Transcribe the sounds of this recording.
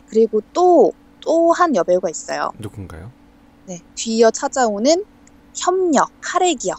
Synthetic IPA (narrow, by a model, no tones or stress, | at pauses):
kɯɾiɡot͈o | t͈ohanjʌbʌɭɡwais͈ʌ̰jo̰dokɯŋɡa̰jo | ne̞tɥijʌt͡ɕʰad͡ʑaonɯn | çjʌmɲʌkkʰaɾeɡijʌ